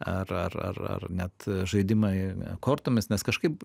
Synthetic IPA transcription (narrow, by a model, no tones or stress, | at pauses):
ɐrɐ̰rɐ̰rɐ̰rnʲɛt̪ʒɐɪd̪ʲɪmɐɪkoːrt̪oːmʲɪsnʲɛskɐʃkɐɪp